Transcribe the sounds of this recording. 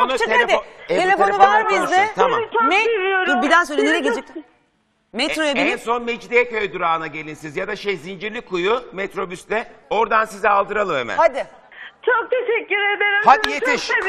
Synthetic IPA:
at͡ʃ̪ʰead̪ɪeelʲe̞fo̞euvaɾbizd̪ɪt̪ʰamat͡ʃʰmelijoɾbid̪æns̬øjleilʲɛɟed͡ʒɛt̪ | mɛt̪ɾojabilʲinso̞nmed͡ʒd̪ijɛkʰø̞jd̪uɾaːnaɟe̞lʲinsizjad̪aʃejzind͡ʒiɾlʲikʰujʊmet̪ɾo̞byst̪ɛo̞ɾd̪ansizɛalˠd̪ɯɾalˠɯmḛmæ̰nad̪ɪ | t͡ʃʰok̚t̪ʰeʃɛcːyɾed̪eɾihad̪ijet̪ʰiʃ

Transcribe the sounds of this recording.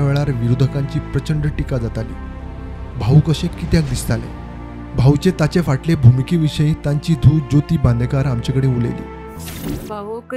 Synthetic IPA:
aʋeɭaɾʋiɾud̪ʱəkãɲt͡ɕiːpɾət͡ɕəɳɖəʈikad͡zat̪alḭː | bʱaukəɕẽkit̪jak̚d̪ist̪alḛ̃ | bʱaut͡ɕẽt̪at͡ɕefaʈlebʱumikiʋiʂəjĩt̪aɲt͡ɕiːd̪ʱuːd͡ʑot̪iːbãnd̪əkaɾamt͡ɕekəɽẽulḛlḭː

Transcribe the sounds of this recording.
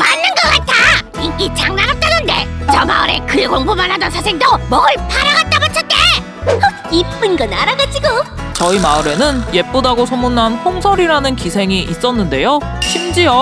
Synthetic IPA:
manːɯnɡʌk͈atʰa | iit͡ɕaŋnaɾap̚t͈anɯnde̞̰t͡ɕʌma̰ɯ̰ɾe̞̰kɯekoŋbomanhadʌnsʰasʰeŋdomʌɡɯɭpʰaɾaɡat͈abat͡ɕʰʌt͈e | ip͈ɯnɡʌnaɾaɡad͡ʑiɡot͡ɕʌimaɯɾe̞nɯnje̞p͈odaɡosʰomunanɸoŋsʰʌɾiɾanɯnkisʰe̞ŋiʔis͈ʌnːɯnde̞jo | ɕʰimd͡ʑiʌ

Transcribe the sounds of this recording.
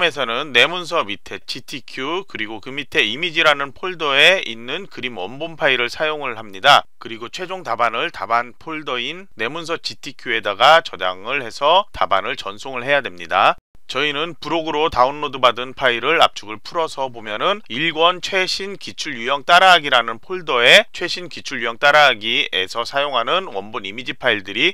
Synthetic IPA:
me̞sʰʌnɯnːe̞muns̬ʰʌmitʰe̞t͡ɕʰitʰikʰjukɯɾiɡokɯmitʰe̞imid͡ʑiɾanɯnpʰoɭdʌe̞inːɯnkɯɾimʌmbonpʰaiɾɯɭsʰajoŋɯɭɦamɲidakɯɾiɡot͡ɕʰwe̞d͡ʑoŋtabanɯɭtabanpʰoɭdʌinːe̞muns̬ʰʌt͡ɕʰitʰikʰjue̞daɡat͡ɕʌda̰ŋɯɭhe̞sʰʌta̰banɯɭt͡ɕʌnsʰoŋɯɭɦe̞jadwe̞mɲida | t͡ɕʌinɯnpuɾoɡɯɾotaunːodɯbadɯnpʰaiɾɯɭa̰p̚t͡ɕ͈ʰuɡɯɭpʰuɾʌsʰʌbomjʌnɯniɭɡwʌnt͡ɕʰwe̞ɕʰinkit͡ɕʰuɭjujʌŋt͈aɾaɦaɡiɾanɯnpʰoɭdʌe̞t͡ɕʰwe̞ɕʰinkit͡ɕʰuɭjujʌŋt͈aɾaɦːɡie̞̰sʰʌsʰajoŋɦanɯnwʌmbonimid͡ʑipʰaiɭdɯɾi

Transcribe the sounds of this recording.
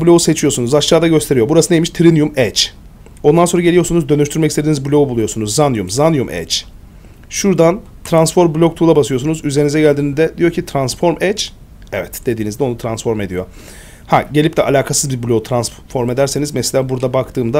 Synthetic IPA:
bulʲo̞use̞t͡ʃʰijo̞sunuzaʃlˠaːd̪aɟø̞st̪ʰe̞ɾijo̞buɾasɯnejmiʃt̪ʰɾinjumɛt͡ʃ | o̞nd̪anso̞ɾaɟelʲijo̞sunuzd̪ø̞nyʃt̪ʰyɾmɛcʰist̪ed̪iːnizbulʲo̞ubulˠujo̞sunuzːanjumzanjumʔɛ̰t͡ʃ | ʃuɾd̪an | t̪ʰɾansfo̞ɾmblʲo̞k̚t̪ʰulˠabasɯjo̞sunuzyzenizɛɟælʲd̪iːnizd̪ɛd̪ijo̞ɾcʰit̪ʰɾansfo̞ɾmɛt͡ʃ | ɛvɛt̪d̪̥e̞d̪iːnizd̪ɛo̞nut̪ʰɾansfo̞ɾme̞d̪ijo̞̰ | haɟeip̚t̪ɛʔa̰lʲaːkʰasɯzbiɾbulʲo̞ut̪ʰɾans | fo̞ɾme̞d̪æɾsenizmeselʲabuɾd̪abakt̪ʰɯːmd̪a

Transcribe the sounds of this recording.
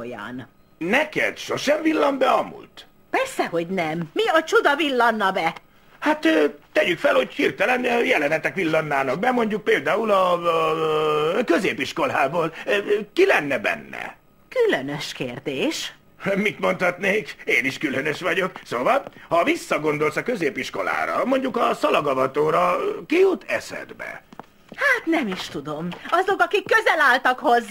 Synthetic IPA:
jɒ̰n | nɛkɛ̰t̪ʃo̞ʃɛɱvilːɒmbɛɒmṵlt̪ | pɛrsɛho̞ɟnɛmːiɒt͡ʃud̪ɒvilːɒnːɒbɛ | hat̪ːt̪ːɛɟykfɛlho̞ɟhirt̪ɛlɛnjɛlɛnɛt̪ɛkʋilːɒnːaːnɒk̚bɛmo̞ɲɟuk̚peːld̪aːulɒ | kø̞zeːpiʃko̞laːboːlkilɛnːɛbɛ̰nːɛ̰ | kylønøʃkeːrd̪eːʃ | mit̪mo̞nt̪hɒt̪neːkeːniʃkylø̞nø̞ʃʋɒɟo̞ksoːvɒlhɒvisːɒɡo̞nd̪o̞lsɒkø̞zeːpiʃko̞̰la̰ːɾɒ̰mo̞ɲɟukɒsɒlɒɡɒvɒt̪oːɾɒkijut̪ːɛsɛ̰d̪bɛ̰ | haːt̪nɛmiʃt̪ud̪o̞mɒzo̞kɒkikːøzɛlaːlt̪ɒkho̞z

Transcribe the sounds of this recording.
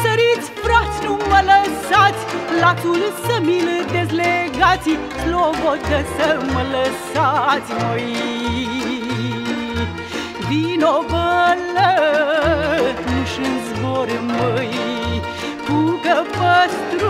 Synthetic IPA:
səɾit̪sʲfɾat̪sʲnumələsat̪sʲlat̪ulsəmilɨd̪ezleɡat̪sʲi | lovot̪əsəmələsat̪sʲnoj | vinovələ | t̪nuʃɨnzvoɾməj | kukəpəst̪ɾ

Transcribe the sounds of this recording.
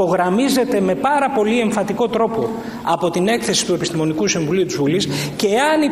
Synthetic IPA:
o̞ɣɾɐmize̞t̪e̞me̞pɐɾɐpo̞lie̞ɱfɐt̪iko̞t̪ɾo̞po̞ | ɐpo̞t̪ine̞kθe̞si̥t̪uepist̪imo̞nikusiɱvuliut̪izvulisce̞ɐni

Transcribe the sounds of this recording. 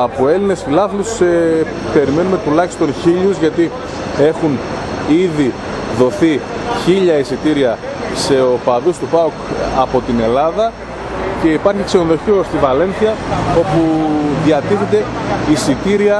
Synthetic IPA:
ɐpoe̞line̞sfilɐflus | pe̞ɾime̞nume̞t̪ulɐçi̥st̪o̞nçiʎuzʝɐt̪i | e̞xuniði | ðo̞θiçiʎɐisit̪iɾiɐ | se̞o̞pɐðust̪upɐokɐpo̞t̪ine̞lɐðɐ | ce̞ipɐɾçikse̞noðo̞çiost̪ivɐle̞nθiɐo̞puðiɐt̪iθed̪e̞isit̪iɾiɐ

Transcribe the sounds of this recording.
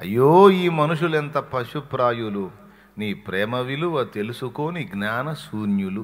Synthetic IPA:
ɐ̰jːoːiːmɐnuʂulent̪ɐpɐʂupɾaːjulu | niːpɾɛːmɐʋiluɐt̪e̞lusuko̞ːniɡnaːnɐsuːnjulu

